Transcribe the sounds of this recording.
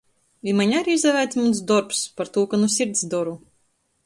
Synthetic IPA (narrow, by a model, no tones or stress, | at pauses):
imanʲaɾʲiizd̪ɛvʲæːt̪ʲmuns̬d̪ɔɾpspaɾt̪uːkanusʲiɾʲt̪sʲd̪ɔɾu